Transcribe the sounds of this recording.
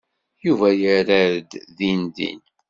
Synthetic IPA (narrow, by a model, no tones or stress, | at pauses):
juvæjəɾæɾəd̪ðind̪ḭn